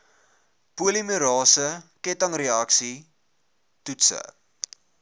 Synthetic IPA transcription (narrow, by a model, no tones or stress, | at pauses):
puəlimyɾɑːsəkɛtɐŋreɐksi | tutsə̰